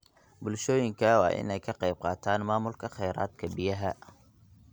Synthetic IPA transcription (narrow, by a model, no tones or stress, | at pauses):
bʊlʃɔːjɪŋkʰɐwɑ̰ːʔɪ̰nɛjkʰɐqɛjb̚qɑːt̪ʰaːnmaːmʊlkʰɐχɛjɾaːd̪kʰɐbɪjɐɦɐ